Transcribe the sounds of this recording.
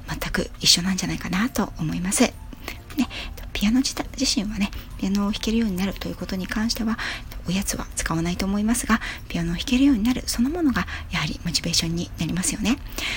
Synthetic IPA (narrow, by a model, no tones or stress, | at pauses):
mat̪ːakɯ̟̰iɕːo̞nãɲ̟d͡ʑanaikanat̪o̞omo̞imasɨ | ne̞t̪ːo̞pʲijano̞iʑiɕĩɰ̃βane̞pʲijano̞ːçi̥ke̞ɾɯ̟jo̞ːɲ̟inaɾɯ̟t̪o̞jiɯ̟ko̞t̪o̞ɲ̟ikãɰ̃ɕi̥t̪e̞βaet̪ːoojat͡sɨβa̰t͡sɨ̥kaβanait̪o̞ːmo̞imasɨɡapʲiano̞ːçi̥ke̞ɾɯ̟jo̞ːɲ̟inaɾɯ̟so̞nomo̞no̞ɡajahaɾʲḭmo̞t͡ɕibe̞ːɕõ̞ɲ̟ːinaɾʲimasɨjo̞ne̞